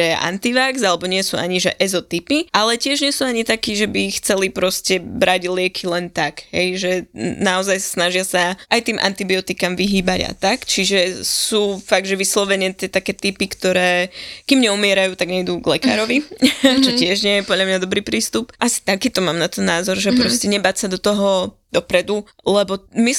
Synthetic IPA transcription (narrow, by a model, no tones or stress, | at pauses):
ɛʔa̰nt̪iʋakzalɛbɔɲɪɛsuaɲiʒɛ̰ʔɛzɔt̪ipiʔalɛcɪɛʒɲɛsuːaɲit̪akiːʒɛbixt͡sɛlipɾɔscɛbɾʔaɟlɪɛkʰilɛnt̪akɦɛ̰jʒɛnaɔzajsḁsnaʒɪasaʔajt̪iːmʔa̰nt̪ibiɔt̪ikamʋiɦiːbaɟa̰t̪akt͡ʃiʒɛsuːfaɡd̪ʒɛʋislɔʋɛɲɪɛt̪ɪɛt̪akɛːt̪ipikt̪ɔɾɛːkimɲɛumɪɛɾajuːt̪aɡɲɛid̪uɡlɛka̰ːɾɔʋit͡ʃɔtcɪɛʒɲɪɛjɛpɔd̪ʎamɲad̪ɔbɾiːpɾiːst̪upʔasi̥t̪akiːt̪ɔmaːmnat̪ɛnːaːzɔɾʒɛpɾɔscɛɲɛbaːtsad̪ɔt̪ɔɦɔ | d̪̥ɔpɾɛd̪u | lɛbɔmi